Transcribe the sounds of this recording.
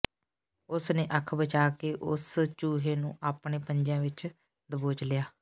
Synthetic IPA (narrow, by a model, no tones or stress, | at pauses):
ʊsneːʔəkʰbət͡ʃaːkeːʔʊst͡ʃuːɦeːnṵ̃ːʔaːpɳeːpəɲd͡ʒjãːʋɪt͡ʃ | d̪əboːt͡ʃlɪjaː